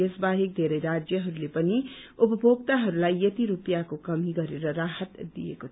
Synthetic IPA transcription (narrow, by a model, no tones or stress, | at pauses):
esbaɦik̚d̪ʱeɾʌjɾad͡zjʌɦʌɾulepʌniupʌbʱoɡ̚t̪aɦʌɾulajʌt̪iɾupjakokʌmiɡʌɾeɾʌɾaɦət̪d̪ḭjḛkot̪ʰ